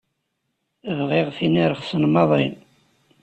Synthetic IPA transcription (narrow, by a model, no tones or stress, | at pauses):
vʁɪʁθiniɾəχsənmɑðˤin